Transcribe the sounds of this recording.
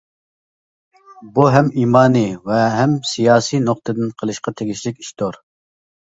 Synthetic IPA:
buɦɛmiːmɑːnɨvɛɦɛmsijɑːsijnoq̚t̪ʰɨd̪ɨnqʰəlˠɨʃqɑt̪ʰeɡʲiʃlɪkʲi̥ʃt̪ʰoɾ

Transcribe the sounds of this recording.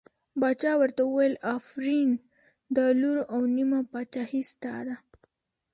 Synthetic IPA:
bɑt͡ʃɑwəɾt̪auwajlafɾin | d̪əluɾawnimapɑt͡ʃahist̪a̰d̪a

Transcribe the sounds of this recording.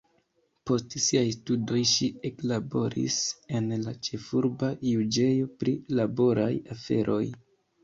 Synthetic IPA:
po̞stsiajstudo̞jʃieklabo̞ɾḭse̞nlat͡ʃe̞fuɾbajud͡ʒe̞jo̞pɾilabo̞ɾajafe̞̰ɾʔo̞̰j

